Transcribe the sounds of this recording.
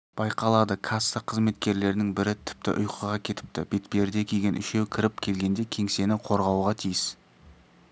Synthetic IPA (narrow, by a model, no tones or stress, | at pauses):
b̥ɑjqɑlˠɑd̪əkʰast̪ɑqʰəzme̞t̪kʲe̞ɾle̞ɾnɪŋbɪɾɪt̪ʰɪ̥p̚t̪ɪ̰ʔʊ̰jqəʁɑkʲʰe̞t̪ɪ̥p̚t̪ɪ̰b̥et̪peɾd̪e̞kʲʰe̞jɡʲe̞nʔʏʃe̞wkʲʰɪɾɪpkʲʰe̞lɡʲe̞nd̪e̞kʲʰe̞ŋse̞nɪqʰo̞ɾʁɑwʁɑt̪ʰijɪs